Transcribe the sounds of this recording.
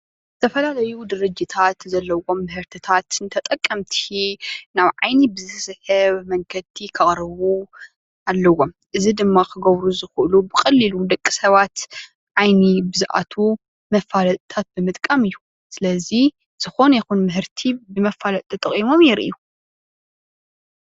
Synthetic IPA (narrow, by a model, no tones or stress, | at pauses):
zɨt̪ʰɐfɐlalɐjud̪ɨɾɨd͡ʒit̪ʰat̪zɐlːɐwo̞mːɨɦɨɾt̪ʰit̪ʰat̪ɨnt̪ʰɐt̪ʼɐkʼːɐmt̪ʰinaβʕajnibɨzɨsɨħɨβmɐŋkʰɐt̪ʰikʰɐɣʼɾɨβu | alːɐwo̞m | ʔɨzid̪ɨmːakʰɨɡɐβɾuzɨxɨʔɨlubɨxʼɐlːilud̪ɐkʼːisɐβat̪ | ʕajnibɨzɨʔa̰t̪ʰu | mɐfːalɐt̪ʼt̪ʰat̪̚bɨmɨt̪ʼkʼɐmɨjːu | sɨlɐzi | z̥ɨxo̞njixunmɨɦɨɾt̪ʰibɨmɐfːalɐt̪̚ʼt̪ʰɐt̪ʼːɐχʼimo̞mjɛɾʔɨ̰ju